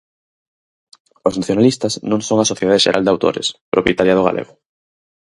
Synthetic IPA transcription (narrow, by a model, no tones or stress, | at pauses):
oznaθjonalist̪aznõŋsõŋasoθjeðaðeʃeɾʔa̰ld̪awt̪o̰ɾḛspɾʔopjet̪aɾjað̞oɣa̰lʔḛɣo